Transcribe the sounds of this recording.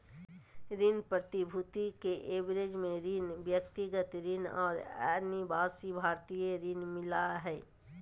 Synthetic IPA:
ɾinpɾət̪ibʱut̪ikeʔebɾed͡ʒmẽɾinbjəkt̪iɡət̪ɾinɔ̰ːɾɛ̰ɾnibaːsibʱaːɾt̪ijeɾinmɪlaɦɛː

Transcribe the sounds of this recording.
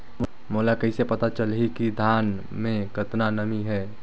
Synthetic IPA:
moːlakəisepɐt̪at͡ʃəlɦikid̪ʱaːn | mẽkət̪nanəmiɦɛː

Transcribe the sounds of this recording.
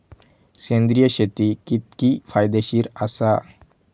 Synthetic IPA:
kẽnd̪ɾijəɕet̪ikit̪̚kifajd̪eɕiːɾasa

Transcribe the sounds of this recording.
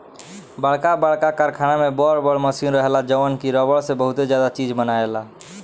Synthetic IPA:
bəɭkabəɭkakaɾkʰanamebɔɾbəɭməsinɾəɦelad͡ʒəʋənkiɾɔbəɭsebəɦut̪ed͡ʒjad̪at͡ʃid͡ʒmənaela

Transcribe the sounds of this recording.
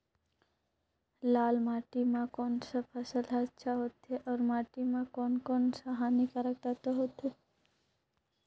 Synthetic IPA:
laːlmaːʈimãkoːnsɐpʰəsəlɦatːʃʰaɦot̪ʰeʔɔːɾmaːʈimãkoːnkonsaɦanikəɾəkt̪at̪oɦot̪ʰe

